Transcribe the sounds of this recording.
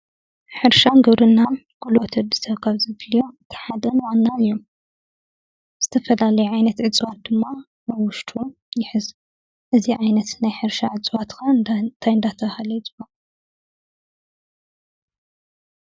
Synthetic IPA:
ħɨɾʃanɡɨβɾɨnːa | ɡulot̪ʰɨd̪ɨ̥sʰɐβkʰaβzɨβljoɨt̪ʰi̥ħad̪ɐnwanːaɨjːom | z̥ɨt̪ʰɐfɐlalɐjuʕajnɐt̪ʕɨt͡sʼwat̪̚d̪ɨmːa | aβwʊʃt̪ʰu | jɪħɨz | ʔɨziʕajnɐt̪najħɨɾʃaʕɨt͡sʼwat̪kʰannt̪ʰajɨnd̪at̪ʰɐβhalɐjɪt͡sʼɨba

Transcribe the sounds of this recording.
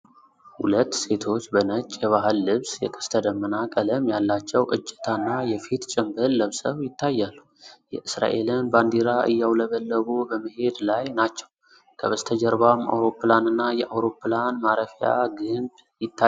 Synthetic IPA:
hṵlət̪ːse̞t̪ʰo̞t͡ʃːbənət͡ʃʼːjɛβaɦɨlːɨβsjɛ̰kʼɨ̥st̪ʰəd̪əmːənakʼələmjalːat͡ʃːɛwʔɨt͡ʃʼːɪ̥t̪ʰanːajɛfit̪t͡ʃʼɪmbɨlːəβsəβjɪt̪ːajːalːu | jɛʔɨsɾa̰ʔe̞lɨnband̪iɾaʔɨ̰jːawləβəlːəβubəməhe̞d̪lajnat͡ʃːɛw | kʰəβəst̪ʰəd͡ʒəɾbama̰wɾo̞pːlanɨnːajɛʔawɾo̞planmaɾəfija̰ɡɨnb | jɪt̪ʰːa

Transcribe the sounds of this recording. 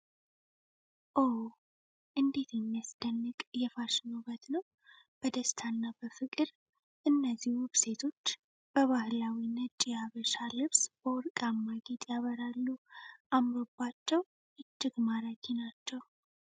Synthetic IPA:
ʔo | ʔɨnd̪e̞t̪ʰjɛmːijasd̪̥ənːɨkʼjɛfaʃɪnobət̪nəw | b̥əd̪əst̪ʰanːabəfɨkʼɨɾ | ʔɨnːəzːihuβse̞t̪ʰo̞t͡ʃː | b̥əβahlawinət͡ʃʼːijaβəʃalɨβsb̥əwɔɾkʼamːaɡet̪ʼjaβəɾalːuʔamɾo̞bːat͡ʃːɛw | ʔɨt͡ʃːɪɡmaɾakʰinat͡ʃːɛw

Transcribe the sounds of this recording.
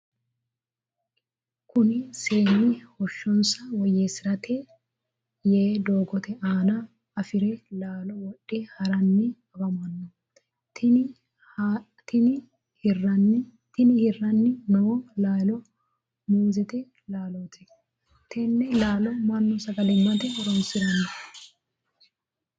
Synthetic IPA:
kʊnɪse̞ːnːɪhɔʃːɔnsɐwɔjesɪɾɐt̪ʰɛ | jeːd̪o̞ːɡɔt̪ɛʔaːnɐ | ɐfɪɾɛlaːlɔwɔɗːɛhɐɾɐnːɪɐbɐmɐnːɔ | t̪ɪ | t̪ɪnɪ | hrɐn | t̪ɪnɪhɪrːɐnːɪnɔwɔlaːlɔ | muːzɛt̪ɛ | laːlot̪ɛ | t̪ʰɛnːɛlaːlɔmɐnːɔsɐɡɐlɪmːɐt̪ɛɔɾɔnsɪɾɐnɐ

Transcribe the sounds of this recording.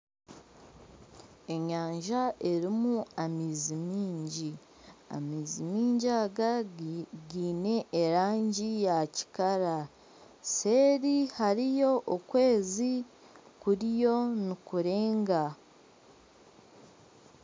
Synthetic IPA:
e̞ɲaːɲʒaʔe̞ɾimuamiːzimiːɲɟi | a̰miːzimiːɲɟaɡa | ɡiːne̞ʔːɾaːɲɟijaci̥kaɾa | se̞ːɾihaɾijo̞ʔokwe̞ːzi | kuɾijo̞nikuɾe̞ːŋɡa

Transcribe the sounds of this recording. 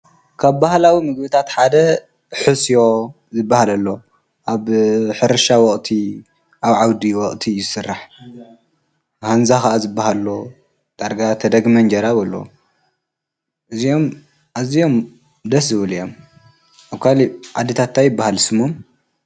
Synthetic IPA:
kʰaβbahlawimɨɡbɨt̪ʰat̪ħad̪ɐ | ħɨsjo̞ | zɨbːahalɐlːo̞ | ʔaβħɨɾɨʃawɔχʼt̪ʰi | ʔaβʕawd̪iwɔχʼt̪ʰijɪsɨrːaħ | hanzaxɐʔazɨbːaɦalːo | d̪̥ʼaɾɡat̪ʰɐd̪ɐɡmɐnd͡ʒɐɾaβɐlːo̰ | ʔɨzio̞m | ʔazijo̞m | d̪ɐs̬zɨβɨlijo̞m | ʔaβkʰaliʕad̪ːɨt̪ʰat̪ːajɪbːahalsɨmom

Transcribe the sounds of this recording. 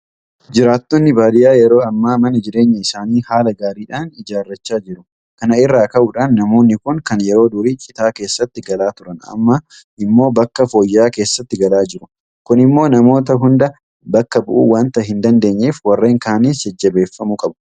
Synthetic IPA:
d͡ʒɪɾaːt̪ːɔnːɪbaːd̪ɪjaːjɛɾo̞ːɐmːaːmɐnɐd͡ʒɪɾe̞ːɲːɐɪsaːniːhaːlɐɡaːɾiːᶑaːnɪd͡ʒaːrːɐt͡ʃːaːd͡ʒɪɾʊ | kɐnɐɪrːaːkɐʔʊᶑaːnːɐmo̞ːnːɪkʊŋkɐnjɛɾo̞ːd̪ʊɾiːt͡ʃʼɪt̪aːke̞ːsːɐt̪ːɪɡɐlaːt̪ʊɾɐnɐ̰mːɐ | ʔɪmːo̞ːbɐkːɐfoːjːaːke̞ːsːɐt̪ːɪɡɐlaːd͡ʒɪɾʊ | kʊnɪmːo̞ːnɐmo̞ːt̪̬ɐɦʊnd̪ɐ | bɐkːɐbʊ̰ʔṵːwaːnt̪ɐɦɪnd̪ɐnd̪e̞ːɲːeːfwɐrːe̞ːŋkaːniːsɛd͡ʒːɐbe̞ːfːɐmʊkʼɐbʊ̥

